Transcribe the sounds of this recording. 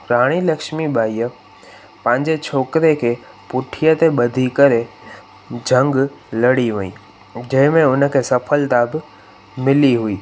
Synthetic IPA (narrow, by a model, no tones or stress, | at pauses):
ɾaːɽ̃ilɐkʃmibʱaːiə | pɐ̃ɦɪ̃ɲd͡ʑet͡ɕʰoːkɪɾekʰeː | pʊʈʰijət̪eɓɐd̪ʱikɐɾe | d͡ʑʱɐ̃ŋɡlɐɽiʋẽḭ̃ː | d͡ʑɐ̃ɦɪ̃mẽʊnə̆kʰeːsɐfʰəlt̪abɪ | mɪliɦuiː